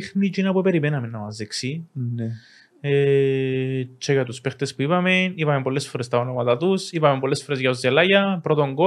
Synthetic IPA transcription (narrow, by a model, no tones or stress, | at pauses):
xnid͡ʒinɐpupeɾimenɐmenːɐmɐzðeksin | e | t͡ʃʰːoʝɐt̪uspext̪espuipɐme̞nipɐme̞mpolːesfo̞ɾest̪ɐonomɐt̪at̪usipɐmempolːesfoɾe̞zʝɐozːelɐʝɐpɾot̪o̞ŋɡo